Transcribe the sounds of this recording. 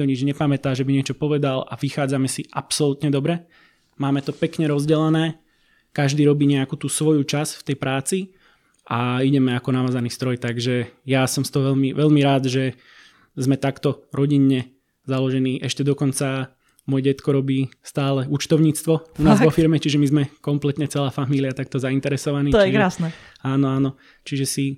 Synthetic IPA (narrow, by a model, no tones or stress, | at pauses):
ɔɲid͡ʒɲɛpamɛt̪aːʒɛbiɲɪɛt͡ʃɔpɔʋɛd̪alaʋixaːd͡zamɛsiʔapsɔlut̪ɲɛd̪ɔbɾɛ | maːmɛt̪ɔpɛkɲɛɾɔzɟɛlɛnɛː | kaʒd̪iːɾɔbiːɲɛakuːt̪uːsʋɔjut͡ʃasft̪ɛjpɾaːt͡si | ʔaiɟɛmɛakɔnaʋaːzaniːst̪ɾɔjt̪aɡʒɛjasɔmst̪ɔɦɔʋɛʎmiʋɛʎmiɾaːd̪ʒɛ | zmɛt̪akt̪ɔɾɔɟiɲːɛ | zalɔʒɛniːʔɛʃcɛd̪ɔkɔnt͡sa | mɔːjɛɟɛt̪kɔɾɔbiːst̪aːlɛut͡ʃt̪ɔʊɲiːt͡st̪ʋɔunaːzʋɔfiɾmɛt͡ʃiʒɛmizmɛkɔmplɛt̪ɲɛt͡sɛlaːfamiliat̪ak̚t̪ɔzaint̪ɛɾɛsɔʋaniːt̪t͡ʃiʒɾasnɛ | aːnɔaːnɔ | t͡ʃiʒɛsi